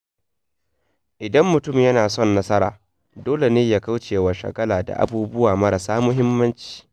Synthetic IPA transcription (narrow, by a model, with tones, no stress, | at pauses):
ʔɪ˨dɐ˦mːʊ˨tʊ˦˨mjɐ˦naː˨sɔ˦˨nːɐ˦sɐ˦ɾa̰ː˨ | doː˦le˨neː˦jaː˨ka˦wt͡ʃeː˨wa˨ʃɐ̰˨kɐ˦laː˨da̰˨ʔa̰˨buː˦bʊ˦waː˨mɐ˦ɾɐ˨saː˦mʊ˦ɦɪ˦mːɐ˦nt͡ʃi̥ː˨